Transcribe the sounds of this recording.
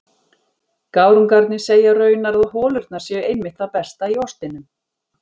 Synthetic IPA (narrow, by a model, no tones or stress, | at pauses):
kaːwɾʏmkaɾt̪nɪseːjarœːɥjnaɾaðhɔːlʏɾt̪̚naɾ̥sjɛɣejmːɪht̪θawpɛst̪aiɔst̪ɪnːʏm